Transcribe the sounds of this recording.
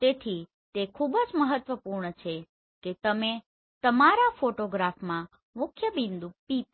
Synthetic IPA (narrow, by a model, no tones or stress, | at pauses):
t̪et̪ʰi | t̪ekʰubəd͡ʒməɦət̪ːʋəpuɾɳət͡ʃʰe | ket̪əme | t̪əmaɾafoʈoɡɾafmã | mʊkʰjəbind̪upip